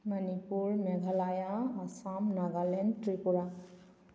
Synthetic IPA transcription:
manipuɹmɛɡʱalajaːsamnaɡalɛnʈɾipuɹa

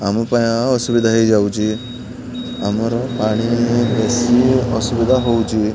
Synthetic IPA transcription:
amupãjaəsuʋid̪ʱaɦed͡ʒawd͡ʑi | amɔɾɔpaɽ̃ibesiəsuʋid̪ʱaɦowd͡ʒi

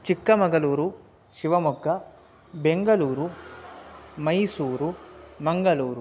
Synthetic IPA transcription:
t͡ʃikːɐmɐŋɡɐluːɾu | ʃiʋɐmukːɐ | beŋɡɐluːɾu | mɐjsuːɾumɐŋɡɐluːɾu

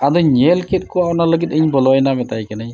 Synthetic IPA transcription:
aduɲelkʰet̚kɔapɔnaləɡiteɲbɔlɔjnabɛtajkanɯj

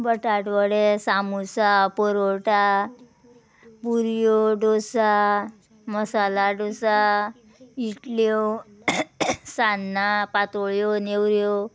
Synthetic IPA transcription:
bəʈaʈʋəɽesamusapɔɾoʈa | puɾjoɖosa | məsalaɖosa | iʈlo | sanːapat̪oɭjonewɾjo

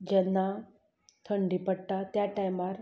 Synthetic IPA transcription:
d͡ʑɛnːa | t̪ʰəɳɖipəɽʈ̪at̪jaʈajmaɾ

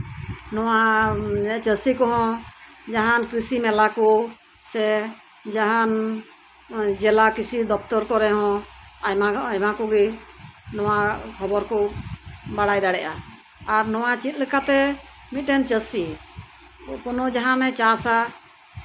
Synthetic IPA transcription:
nɔwa | t͡ʃəsikɔɦɔ̃ | d͡ʒaɦankɾisimɛlakɔ | sɛ | d͡ʒaɦan | d͡ʒɛlakisid̪ɔp̚t̪ɔɾkɔɾɛɦɔ̃jmaajmakɔɡinɔwakʰɔbɔɾkɔ | baɽajd̪aɽɛʔaː | ɾnɔwat͡ʃit̪̚ˀlɛkat̪ɛ | mit̪̚ʈɛnt͡ʃəsi | pɔnɔd͡ʒaɦanɛt͡ʃasa

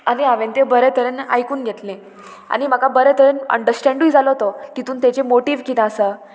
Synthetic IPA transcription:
aniaʋẽnt̪ebəɾɛt̪ʰəɾena̰jkuːnɡʱet̪lẽ | a̰ñim̤akabəɾɛt̪ʰəɾenə̰ɳɖəɾsʈɛ̃ɳɖujd͡zaləɦot̪ot̪it̪uːnt̪et͡ɕemoʈiːʋkit̪ãəsə

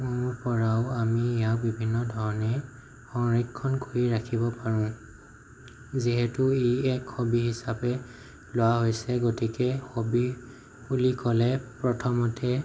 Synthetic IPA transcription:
mʊɹpɔɹaʊamiijabibʱinːɔdʱɔɹɔnɛ | xɔŋɹikʰːɔnkoɹiɹakʰibɔpaɹʊ̃ | ziɦɛtʊeɛkxobiɦisapɛ | lowaɦojsɛɡotikɛxobi | ulikɔlɛpɹɔtʰɔmɔtɛ

